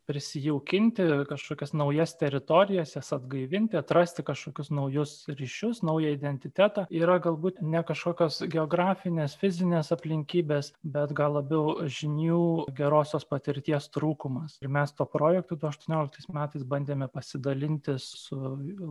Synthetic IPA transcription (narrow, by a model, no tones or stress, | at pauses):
pʲɾʲɪsʲɪjɛʊkʲɪnʲt̪ʲɪkɐʃkoːkʲɛsnɐʊjɛst̪ʲɛɾʲɪt̪oːɾʲɪjɛsjɛsɐd̪ɡɐɪʋʲɪnʲt̪ʲɪɐt̪rɐsʲt̪ʲɪkɐʃkoːkʲʊsnɐʊjʊsɾʲiːʃʲʊsnɐʊjɛɪd̪ʲɛnʲt̪ʲɪt̪ʲæːt̪ɑːiːɾɐɡɐlˠbuːt̪nʲɛkɐʃkoːkʲoːsɡʲɛoːɡɾɑːfʲɪnʲeːsfʲɪzʲɪnʲeːsɐpʲlʲɪŋʲkʲiːbʲeːsbʲɛt̪ɡɐlˠlˠɐbʲɛʊʒʲɪnʲuːɡʲɛɾoːsʲoːspɐt̪ʲɪɾʲt̪ʲiɛst̪ɾuːkʊmɐsɪɾmʲɛst̪uːɔpɾoːjɛkt̪oːd̪ʊɐʃt̪uɔnʲoːlʲɪk̚t̪ɐɪsmʲæːt̪ɐɪsbɐnʲd̪ʲeːmʲɛpɐsʲɪd̪ɐlʲɪnʲt̪ʲɪsʊ